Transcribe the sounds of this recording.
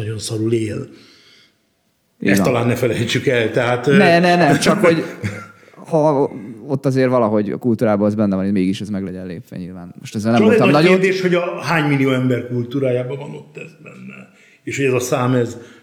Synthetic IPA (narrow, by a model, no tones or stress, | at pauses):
ɒɟo̞nsɒɾuleːl | ḭsɒlaːnːɛfɛlɛjt͡ʃːykɛlt̪ɛɦat̪nɛnɛnɛmt͡ʃɒkho̞ɟ | hɒo̞t̪ːɒzeːrvɒlɒɦo̞ɟɒ̰kult̪uːɾaːbɒɛzbɛnːɛvɒnemeːɡiʃɛzmɛɡlɛɟɛnlḛːpʋɛ̰ɲilvaːnmo̰ʃt̪ɛzːɛlnɛmɛt̪ːɒnɒɟonrd̪eːʃho̞ɟɒɦaːɲmilijoːɛmbɛrkult̪uːɾaːjaːbɒvɒnot̪ːɛzbɛnːɛ̰ | eːʃhoɟɛzɒsaːmɛz